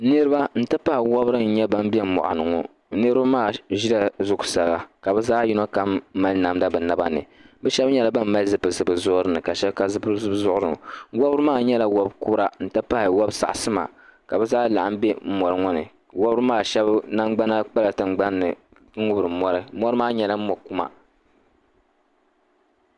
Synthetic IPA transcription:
nɨ˦ɾɨ˦ba˦n̩˦tɨ˦pa˦hɪ˨wɔ˦bɾɨ˦n̩˦ɲɛ˦ba˦m˦bɛ˦m˨mɔ̰˨ʔa̰˨nɨ˨ŋɔ˦ | nɨ˦ɾba˦maː˦˨ʒi˦da˦zʊ˦ksa˨ɣa˨ka˨bɛ˦zaː˦ji˦no˦ka˦mːa˦lna˨mda˦bɨ˨na˦ba̰˦nɨ̰˨bɛ˦ʃɛ˦bɲɛ˦la˨ba˦mː˦a˦zɨ˨pɨ˨zɨ˨bɨ˨zʊ˦ʔɾɨ˦nɨ˨ka˨ʃɛ˦bka˨zɨ˦pɨ˦zɨ˦bzʊ˦ʔʊ˦ɾɨ̰˦˨wɔ˦bɾɨ˦maː˦˨ɲɛ˦la˦wɔ˦bku˦ɾa˦n̩˦tɨ˦pa˦hɪ˨wɔ˦bsa̰˨ʔsɨ˦ma̰˨ka˨bɛ˦zaː˦la˨ʔa˦m˦be˦m̩˦mɔ˨ɾɨ˦ŋɔ˦nɨ̰˨ | wɔ˦bɨ˦maː˦ʃɛ˦bna˦ŋɡ͡ba˦na˦k͡pa˦la˨tɨ˨ŋ˦ɡ͡ba˦nːɨ̰˨ | ŋ̩˦ŋʊ˦bɾɨ˨mɔ˦ɾɨ˦mɔ˦ɾɨ˦maː˦ɲɛ˨la˦m̩˦mɔ˨ku˦ma̰˦

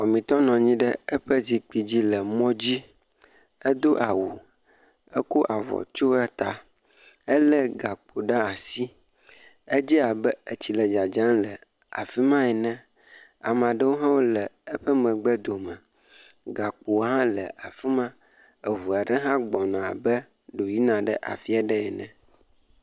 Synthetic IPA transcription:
wɔ˨mĩ˨t̪ɔ˦nɔ̃˨ɲĩ˦ɖə˦ə˦ɸə˦zi˨k͡pi˨d͡ʑi˦lə˨mɔ̃˦d͡ʑi˦ | ə˦d̪o˦ʔa˨wu˨ | ə˦ko˦ʔa˨vɔ̰˨t͡ʃo˦ɛ˦t̪a˨ | ə˦lə˦ɡa˨k͡po˨ɖa˦a˨si˦ | e˦d͡ʑi˦a˨bə˦e˨t͡ɕi˨lə˨d͡ʒa˨d͡ʒã˦nlə˨ | a̰˨fi˦mã˦ɛ˨nɛ̃˦ | a̰˨m˨ã˨ɖə˦wo˦ɦã˦wo˦lə˨ə˦ɸə˦mə̃˨ɡ͡bə˦d̪o˨mə̃˨ | ɡa˨k͡po˨wɦã˦lə˨ʔa˨fi˦mã˦ | e˨ɦu˨a˨ɖə˦ɦã˦ɡ͡bɔ˨nã˨bə˦ | ɖo˨ji˦nã˨ɖə˦ʔa̰˨fi˦a˨ɖɛ˦ɛ˨nɛ̰̃˨

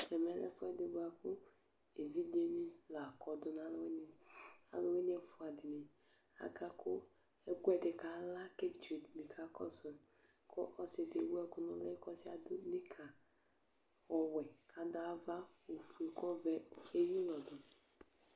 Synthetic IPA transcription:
ɛ˨mɛ˨˦lɛ̰˦fʊ˦ɛ˦de˨ba˨kʊ˦ | e˨vi˦de˦ni˦la˨kɔ˨dʊ˦n˨a˨˦lo˦we˦ni˦a̰˨˦lo˦we˦ni˦ɛ˨fʊ˨a˨di˨ni˨ | a̰˨ɡa˦kʊ˦ | e˦kʷɛ˨dɪ˨ka˨la˦ke˦d͡ʒu˨dni˨kʰa˨˦kɔ̰˦sɔ˨kʰɔ˦ʔɔ˦se˨de˨wu˦ɛ˦kʊ˦nʊ˦lɛ˦kɔ˦si˦a̰˨dʊ˦ni˦kʰa˨ | ɔ˨wɛ˨kʰa˨dʊ˨˦a˦va˦o˨fu˨e˨kɔ˦vɛ˨e˦ji˦lɔ˨dʊ˨

